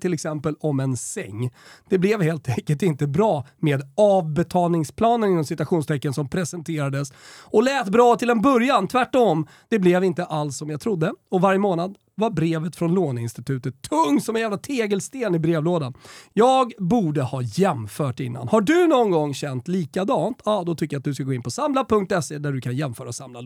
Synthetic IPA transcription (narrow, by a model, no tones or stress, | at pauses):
t̪ʰɪlɛksɛmpəlɔmɛnsɛ̰ŋːd̪̥ɛblɛvheːlt̪ʰɛŋkəlʈɪnt̪əbɾɑː | meːd̪ɑːvbɛt̪ʰɑːlnɪŋspʰlɑːnənɪnːɔmsɪt̪ɵaɧuːnst̪ʰɛkːənsɔmpʰɾɛsɛnt̪ʰeːɾad̪əsɔlɛːt̪bɾɑːt̪ʰɪlɛnbœɾjant̪ʰvæʈːɔm | d̪ɛblɛvɪnt̪əʔalsːɔmjaɡt̪ʰɾʊd̪ːəɔvaɾjəmoːnad̪ | vaɾbɾeːvət̪fɾɔnloːnɪnst̪ɪt̪ʰʉ̟ːt̪ət̪ʰːɵŋːsɔmɛnjæːvlat̪ʰeːɡəlst̪eːnɪbɾeːvloːd̪anjɑːɡbuːɖəhɑːjɛmfœːʈɪ̰nːa̰nhaɖɵnɔnɡɔŋːɕɛnt̪liːkad̪ɑːnt̪ʰɑːd̪ɔt̪ʰʏkːəjat̪̚d̪ɵskaɡoːɪnpʰɔsamlapɵŋk̚t̪ɛseːd̪æɖɵkʰanjɛmfœːɾaɔsamla